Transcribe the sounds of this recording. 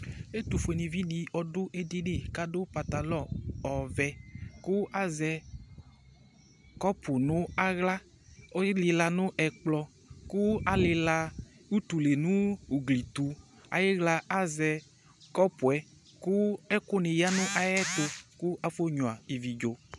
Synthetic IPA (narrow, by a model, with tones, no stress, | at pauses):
e˦t̪u˨fe˨nĩ˨vi˦nĩ˨ʔɔ˨dʊ˦ʔe˦di˦ne˦˨ka˦dʊ˦pa˨t̪a˨lɔ˦˨ɔ˨vɛ˨kʊ˦ʔa˦zɛ˧ | kɔ˦pʰʊ˨nʊ̃˦a˦ɣla˦ | o˦lɪ˨la˨nʊ˦ʔɛ˨k͡plɔ˧ | kʊ˦a˦lɪ˨la˨ | u˦t̪u˨le˨nũ˦u˨ɡli˨t̪u˨ | a̰˨je˦ɣla˦a˦zɛ˨ | kɔ˦pʊ˨ɛ˨ | kʊ˦ɛ˦kʊ˦ne˨ja˦nʊ̃˦ʔa˨jɛ˦t̪ʊ˧kʊ˦a˦fo˦ɲɔ̃˨a˨i˨vi˨d͡ʒo˨